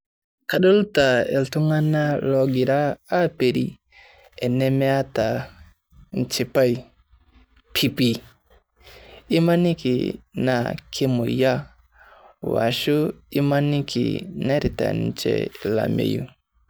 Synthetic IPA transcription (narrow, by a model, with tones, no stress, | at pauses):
ka˨ɗɔ˦lta˨ɛ˨ltu˦ŋa˦na˦lɔ˨ɡi˨ɾaː˦pe˨ɾi˨ | ɛ˨nɛ˦mɛ˦a˦ta˨ | n̩˨t͡ʃi˨pa˦j | pʰi˦pi˨ | i˦ma˦ni˦kḭ˨na˨kʰi˦mu˨ja˦ | wa̰˨ʃu˦i˦ma˦ni˦kḭ˨na˦ɾi˨ta̰˨n˨t͡ʃɛ̰˨la̰˨mḛ˨jṵ˦